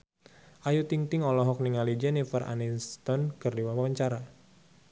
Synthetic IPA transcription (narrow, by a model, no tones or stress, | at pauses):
ʔajut̪iŋt̪ɪŋɔlɔɦɔk̚niŋalid͡ʒɛnifəra̰ninst̪ɔnkɨrdiwapawaɲt͡ʃaɾa